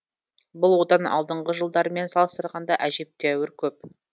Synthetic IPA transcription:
bʊlˠwo̞d̪ɑnɑ̰lˠd̪əɴʁəʒəlˠd̪ɑɾəme̞nsɑlˠəst̪əɾʁɑnd̪ɑʔæʒe̞p̚t̪eæwɪɾkʲʰɵp̚

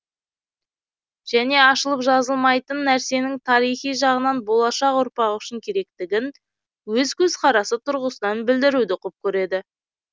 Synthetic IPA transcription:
ʒ̥æne̞ɑʃəlˠəpʒɑzəlˠmɑjt̪ənːæɾse̞nɪŋt̪ʰɑɾijχijʒɑʁənɑnbo̞lˠɑʃɑqʊɾpɑʁʏʃɪŋkʲʰe̞ɾe̞k̚t̪ɪɡʲɪn | wɵzkʲʰɵz̥qʰɑɾɑsət̪ʰʊɾʁəsənɑnbɪld̪ɪɾud̪ɪqʰʊp̚kʲʰɵɾe̞d̪ɪ

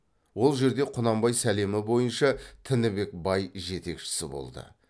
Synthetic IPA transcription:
wo̞lˠʒe̞ɾd̪e̞qʰʊnɑmbɑjsæle̞mɪbo̞jənʃɑt̪ʰɪnɪbe̞k̚bɑjʒe̞t̪e̞kʃɪ̥sɪ̰bo̞̰lˠd̪ə̰

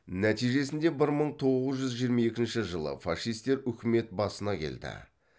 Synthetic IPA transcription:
næt̪ijʒe̞sɪnd̪e̞bɪɾməɴt̪ʰo̞ʁəzʒʏzʒijəɾmɑe̞kʲɪnʃɪʒəlˠə̰fɑʃijst̪e̞ɾʏkʲɪme̞t̪̚bɑsənɑkʲʰe̞̰ld̪ɪ̰

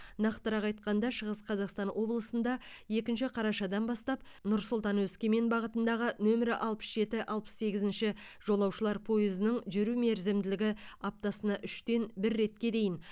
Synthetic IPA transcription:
nɑqt̪əɾɑqɑjt̪̚qɑnd̪ɑʃəʁəsqʰɑzɑqst̪ɑnwʔo̞blˠəsənd̪ɑje̞kʲɪnʃɪqʰɑɾɑʃɑd̪ɑnbɑst̪ɑp | nʊɾsʊlˠt̪ɑnwɵskʲe̞me̞nbɑʁət̪ənd̪ɑʁənɵmɪɾɪʔɑlˠpə̥sʒe̞t̪ɪʔɑlˠpə̥sːe̞ɡʲɪzɪnʃɪʒ̥o̞lˠɑwʃəlˠɑɾpʰo̞jɪzənɪŋʒʏɾume̞ɾzɪmd̪ɪlɪɡʲɪɑp̚t̪ɑsənɑʔʏʃt̪e̞nbɪɾːe̞t̪kʲe̞d̪e̞jɪn

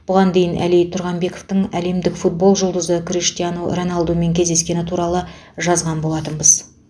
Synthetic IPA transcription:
b̥ʊʁɑnd̪e̞jɪnʔæ̰lijt̪ʰʊɾʁɑmbe̞ko̞ft̪əɴæle̞md̪ɪkfut̪̚bo̞lˠʒʊlˠd̪əzəkʰriʃt̪ijanoro̞nalˠd̪ume̞ŋkʲʰe̞zd̪e̞skʲe̞nɪt̪ʰuɾɑlˠə | ʒɑzʁɑnbo̞lˠɑt̪ənbəz̥

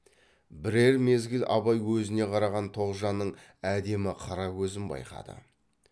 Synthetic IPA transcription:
bɪɾe̞ɾme̞zɡʲɪlʔɑ̰bɑjwɵzɪne̞qʰɑɾɑʁɑnt̪ʰo̞ʁʒɑnːəɴæd̪e̞mɪqʰɑɾɑkʲɵzɪnbɑ̰jqɑ̰d̪ə̰

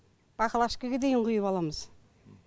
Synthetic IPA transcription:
b̥ɑqəlˠɑʃkʲəɡʲed̪ejɪɴqʊjəpɑlˠɑməz̥

